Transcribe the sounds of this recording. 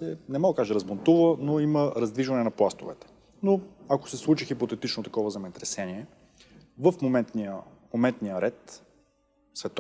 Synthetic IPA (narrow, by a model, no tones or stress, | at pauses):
sɛnɛmalˠkaʒɛɾɐzmont̪uvənoiməɾɐzd̪viʒvɐnɛnɐplˠast̪o̰vɛ̰t̪ɛ̥ | noako̥sɛslˠut͡ʃixipot̪ɛt̪it͡ʃnot̪ɐkɔvəzɐmɛt̪ɾɛsɛniɛ | vəfmomɛnt̪nijəmomɛnt̪nijəɾɛt̪ | svɛt̪